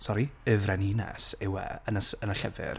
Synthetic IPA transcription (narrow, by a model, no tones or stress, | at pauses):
sɔɾiəvrɛninɛ̰sɪwɛ̰ənəsənəɬɛvɪ̰r